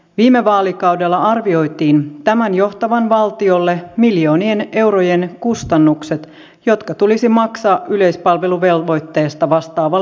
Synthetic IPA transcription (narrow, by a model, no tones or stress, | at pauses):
ʋiːme̞ʋɑːlikɑwde̞lːɑɑrʋio̞jt̪iːnt̪æmænjo̞ht̪ɑʋɑnʋɑlt̪io̞lːe̞miljo̞ːnie̞ne̞wɾoje̞nkust̪ɑnːukse̞t̪ | jo̞t̪kɑt̪ulisimɑksɑːʔʔyle̞jspɑlʋe̞luʋe̞lʋo̞jt̪ːe̞ːst̪ɑʋɑst̪ɑːʋɑ